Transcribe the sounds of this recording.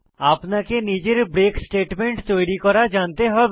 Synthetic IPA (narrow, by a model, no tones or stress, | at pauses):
aːpnakeniːd͡ʒəɾbɾeːksʈeːʈmẽɳʈt̪oːɽikɔɾad͡ʒaːnt̪eɦɔ